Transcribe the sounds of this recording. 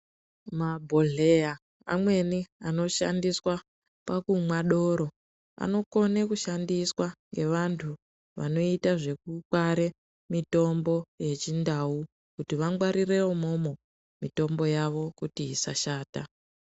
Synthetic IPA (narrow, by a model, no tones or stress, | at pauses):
mabʱo̞ɮe̞ja | a̰mwe̞niano̞ʃa̰ndiswa | pakumwaɗo̞ɾo̞ | a̰no̞ko̞nekuʃandiswaŋɡe̞ʋantʰu | ʋa̰no̞itaʐe̞k̚ukwaɾe | mito̞mbo̞je̞t͡ʃindau | kutiʋaŋɡwaɾire̞wo̞mo̞mo̞ | mito̞mbo̞jaʋo̞kutiisaʃaːta